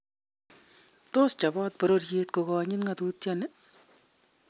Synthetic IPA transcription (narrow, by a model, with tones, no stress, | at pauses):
tost͡ʃa˨bɔ˦t̚pɔ˨ɾorjetko˨kɔ˨ɲɪ˦nŋatu˦tjane˦